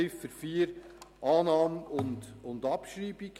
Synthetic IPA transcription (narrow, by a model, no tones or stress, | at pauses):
ɪfːəɾfiːəɾʔɑːnɑːmʊndʊndɑpʃɾiːb̥ɪɡ